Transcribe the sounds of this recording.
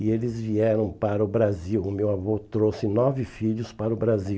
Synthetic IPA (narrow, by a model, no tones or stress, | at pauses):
ɪelɪzviɛɾɐ̃w̃paɾɐʊbɾaziwʊmewavot̪ɾosɪnɔvɪfiʎʊspaɾʊbɾazi